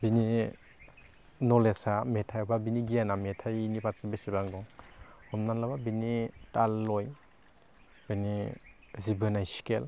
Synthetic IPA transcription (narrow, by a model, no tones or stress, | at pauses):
bini | nɔlesametʰajɔbabiniɡijanametʰajinipatsabesibaŋɡɔŋɔmnanlababinitalːɔj | bini | zibɯnajskel